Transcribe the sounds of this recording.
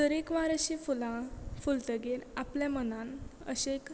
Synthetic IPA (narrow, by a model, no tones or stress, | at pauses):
t̪əɾekʋaɾəɕifulãfult̪əɡeɾapljamənãnə̰ɕek